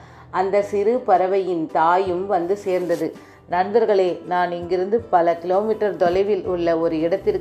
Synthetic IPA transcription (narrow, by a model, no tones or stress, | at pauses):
ʔɐnd̪ɐsɪɾɯpɐɾɐʋɐjɪnt̪aːjɯmʋɐnd̪ɯseːɾnd̪ɐðɯ | nɐnbɐɾɣɐɭeːnaːnɪŋɡɪɾɯnd̪ɯpɐlɐkɪloːmɪʈːɐɾd̪ɔlɐɪʋɪlʊɭːɐɔɾɯɪɽɐt̪ːɪɾ